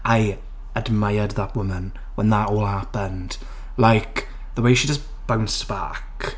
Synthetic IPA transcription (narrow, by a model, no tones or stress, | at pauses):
ʔaɪ | ədmaɪəd̪ðət̚wʊmə̃n | wɛ̃nðətɔːlˠhapə̃nd̥ | laɪk | ðəweɪʃid͡ʒəs | b̥ãnsb̥a̰k